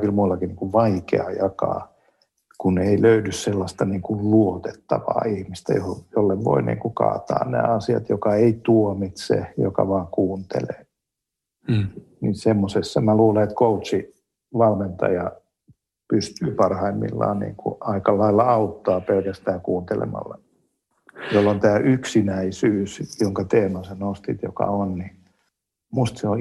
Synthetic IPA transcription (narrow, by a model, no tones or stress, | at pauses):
kilmuilːɑkiniːŋkuʋʋɑikḛɑ̰jɑkɑ̰ː | kuneiløydysselːɑst̪ɑniːŋkulluot̪et̪ːɑʋɑ̰ːihmist̪æ̰johjolːeʋʋo̰inḭːŋkukɑ̰ːt̪ɑ̰ːnnæ̰ːɑsiɑ̰t̪jokɑeit̪uomit̪sḛjo̰kɑ̰ʋɑːŋkuːnt̪ḛlḛː | nisemːosesːɑmæluːleet̪kout̪si | ʋɑlment̪ɑ̰jɑ | pyst̪yːpɑrhɑimːḭlːɑ̰ːnnḭːŋkṵʔɑikɑlːɑilːɑɑut̪ːɑːpelkæst̪æːkuːnt̪elḛmɑ̰lːɑ | jolːont̪æːʔyksinæisyːsjoŋkɑt̪eːmɑsenost̪it̪jo̰kɑ̰onni | must̪seo